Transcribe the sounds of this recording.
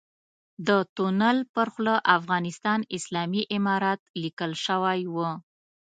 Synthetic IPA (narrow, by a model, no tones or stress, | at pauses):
d̪ət̪unalpəɾxlaʔafɣɑnɪst̪ɑnɪslɑmiʔɪmɑɾɑt̪̚likəlʃəwajwə